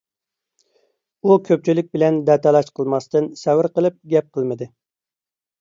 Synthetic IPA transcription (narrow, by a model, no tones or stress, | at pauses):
ukʲʰøp̚t͡ʃʰilɪk̚ʲbɪlɛnd̪ɛt̪ʰɛlˠɑʃqʰəlˠmɑst̪ɨnsɛwɪɾqəlˠɨp̚ɡʲɛp̚qʰəlˠmɨd̪ɨ